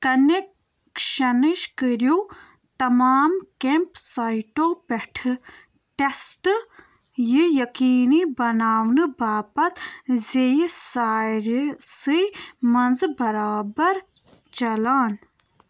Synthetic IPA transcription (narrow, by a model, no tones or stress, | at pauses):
kɐnek | ʃɐniʃkəɾju | t̪ɐmaːmkempsajʈoːpeʈʰɨ | ʈesʈ | jijɐkiːnibɐnaːwnɨbaːpɐt̪zejisaːjɾsɨmɐnzɨbɐɾaːbɐɾ | t͡ʃɐlaːn